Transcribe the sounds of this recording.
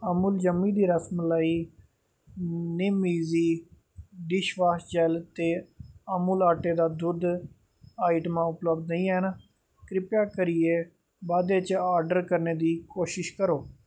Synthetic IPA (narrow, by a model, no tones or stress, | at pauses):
əmuːld͡ʒəmːiːd̪iːɾəsmlaiː | nɪmiːziː | ɖɪʃʋaːsd͡ʒɛːlt̪eːamuːlaːʈeːd̪aːd̪ʊd̪ | aːɪʈmãːʊpləbd̪nəiːɛːna | kɾɪpjaːkəɾɪeː | baːd̪eːt͡ʃaːɾɖəɾkəɾneːd̪iːkoːʃɪʃkəɾoː